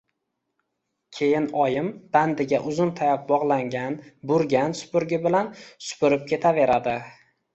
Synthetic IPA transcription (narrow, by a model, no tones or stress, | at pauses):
kʲʰe̞jɪnɒjɪmb̥and̪ɪɡʲaʔʊzʊnt̪ʰajap̚bɒʁlˠaŋɡʲanbʊɾɡʲansʊ̥pʊɾɡʲɪbɪlansʊ̥pʊɾɪp̚kʲʰe̞t̪ʰave̞ɾad̪ɪ